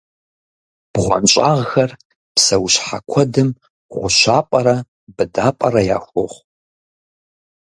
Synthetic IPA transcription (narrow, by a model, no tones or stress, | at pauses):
b̥ʁʷɔ̰nɕʼaːʁxɐr | psɐwɕħa̰kʷʰɔdɨm | ʁʷʊʃaːpʼɐɾɐ | bɨdaːpʼɐɾɐja̰ːxʷʊʁʷ